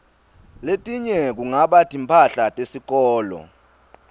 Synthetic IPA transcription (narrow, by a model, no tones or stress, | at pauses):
letʼiɲɛk̬uŋaɓatʰʼimpʰaɬatʼesik̬ɔːlɔ̰